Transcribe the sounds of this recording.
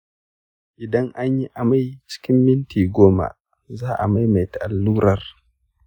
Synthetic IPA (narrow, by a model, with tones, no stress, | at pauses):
ʔɪ˨dɐ˦ŋʔa˦ɲji˦ʔa˨ma˦jt͡ʃɪ̥˦kʲɪ˦mːɪ˦ntiː˨ɡʷoː˦ma̰˨ | zaː˦ʔa˨ma˦jma˨jta˨ʔa˨lːuː˦ɾɐ˨r